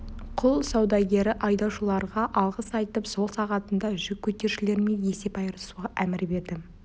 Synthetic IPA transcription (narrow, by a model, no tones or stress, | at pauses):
qʰʊlˠsɑwd̪ɑɡʲe̞ɾɪʔɑjd̪ɑwʃəlˠɑɾʁɑʔɑlˠʁəsɑjt̪əpso̞lˠsɑʁɑt̪ənd̪ɑʒʏkʲʰːɵt̪e̞ɾʃɪle̞ɾɪme̞nje̞se̞pɑjɾəsuʁɑʔæmɪɾbe̞ɾd̪ɪ